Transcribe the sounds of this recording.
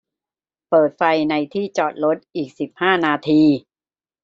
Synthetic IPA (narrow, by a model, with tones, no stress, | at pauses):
pɤː˨˩t̪̚fa˧jna˧jt̪ʰiː˥˩t͡ɕɔː˨˩t̪̚ɾo˦˥t̪̚ʔiː˨˩k̚si˨˩p̚haː˥˩naː˧t̪ʰiː˧